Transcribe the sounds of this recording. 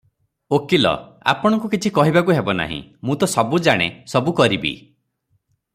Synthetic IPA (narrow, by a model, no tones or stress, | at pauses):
okilɔ̰a̰pɔɽ̃ɔ̃ŋkukit͡ʃʰikɔɦibakuɦebɔna̰ɦḭ̃mũt̪ɔsɔbud͡ʒaɽ̃esɔbukɔɾibḭ